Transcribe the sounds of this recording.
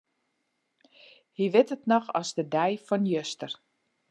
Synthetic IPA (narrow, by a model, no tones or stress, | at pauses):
hiʋɪtətnɔxɔzdədɛjfɔnjøstər